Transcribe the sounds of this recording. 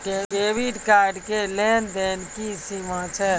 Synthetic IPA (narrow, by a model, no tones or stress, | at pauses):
keeːʋiɖkaːɾɖkeleːnd̪eːnkisimat͡ʃʰɛː